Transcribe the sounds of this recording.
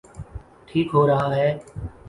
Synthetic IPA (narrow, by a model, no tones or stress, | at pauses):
ʈʰiːkɦoːɾəɦaːɦeː